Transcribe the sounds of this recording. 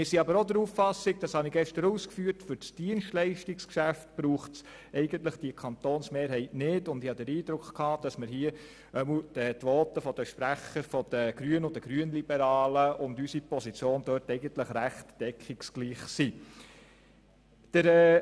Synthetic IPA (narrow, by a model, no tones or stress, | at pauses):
mɪɾsiɑbəɾod̪əɾuːffɑsɪɡ̚d̥ɑshɑniɡɛʃtəɾuːskfyːɾtfʏɾt͡sd̥iənʃtlɛɪʃtikskʃæftb̥ɾuːχts | ɛɪɡəntləχd̥iəkʰɑnt̪oːnsmeːɾɦɛɪtnɪdʊnd̪ɪhɑd̪əɾiːd̪ɾʊkχkʰɑːd̥ɑsmɪɾɦiə | œml̩d̥ət̪ʋɔːt̪əfɔd̥əʃpɾæχəɾfɔd̥əɡ̥ɾyənʊdəɡ̥ɾyənlibəɾɑːləʔʊndysipɔsit͡sjoːnd̥œɾtɛɪɡəntləχɾæχtd̥ɛkʰχiksɡ̥liːχsi | d̥əɾɛ